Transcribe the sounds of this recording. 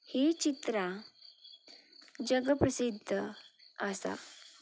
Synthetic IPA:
het͡ɕit̪ɾa | d͡ʑəɡəpɾəsid̪ʱːəəsa̰

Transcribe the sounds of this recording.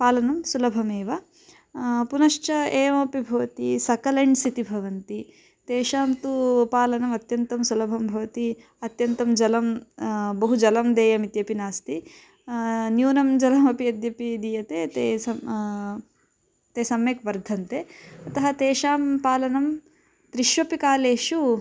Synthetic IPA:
paːlɐnɐmsulɐbʱɐmeːʋɐ | punɐʃt͡ʃɐeːmɐpibʱɐʋɐt̪isɐkɐlɐɳɖsit̪ibʱɐʋɐnt̪i | t̪eːʃaːmt̪upaːlɐnɐmɐt̪jɐnt̪ɐmsulɐbʱɐmbʱɐʋɐt̪i | ɐt̪jɐnt̪ɐmd͡ʒɐlɐmbɐɦud͡ʒɐlɐmd̪eːjɐmit̪jɐpinaːst̪i | njuːnɐmd͡ʒɐlɐmɐpiɐd̪jɐpid̪ijɐt̪eːt̪eːɐ | t̪eːsɐmeːkʋɐɾd̪ʱɐnt̪eːɐt̪ɐɦɐt̪eːʃaːmpaːlɐnɐm | t̪ɾiʃʋɐpikaːleːʃu

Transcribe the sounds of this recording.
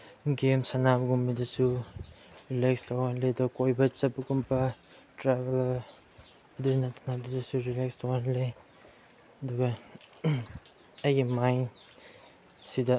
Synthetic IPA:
ɡemsanabɐɡumidasu | ɾilekstʰawanledɔkojbɐt͡ʃɐpakumpʰa | tɾabel | dunatʰanabdidasuɾilekstawanle | ɐduɡa | ajɡimajn | sida

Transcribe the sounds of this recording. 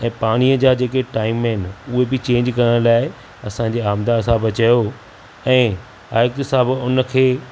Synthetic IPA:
ɛ̃ːpaːɽ̃iːəd͡ʑaːd͡ʑeːkeʈaːɪmɦɪnɪ̆ʊɦebɪt͡ɕẽːɲd͡ʑkɐɾəɽ̃laːɪ | ɐsã̆d͡ʑeːaːmd̪aɐsãbɐt͡ɕajo | ɛ̃ː | a̰ːjk̚t̪ɪsaːbʊnə̆kʰeː

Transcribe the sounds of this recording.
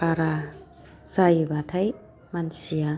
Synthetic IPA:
aɾa | sajbatʰaj | mansija

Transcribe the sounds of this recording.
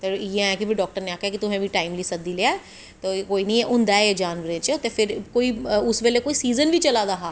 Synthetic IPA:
t̪ejẽɛ̃kibʰɪɖɔːk̚ʈəɾneaːkʰːjaːkit̪ʊɦɛ̃ːʋʱiːʈaːɪmliːsəd̪iːleːaːɛ | t̪oːkoːiːnəĩːɛʔʊnd̪aːed͡ʒaːnʋəɾẽːt͡ʃt̪eːpʰɪɾkoːiːʊsʋeːlekoːiːsiːzənʋiːt͡ʃəlaːd̪aɦaː

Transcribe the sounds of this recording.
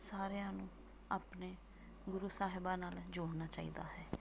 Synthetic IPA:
saːɾejãːnũː | aːpneː | ɡʊɾuːsaːɦɪbaːnaːld͡ʒoːɽnaːt͡ʃaːḭːd̪a̰ːɦɛː

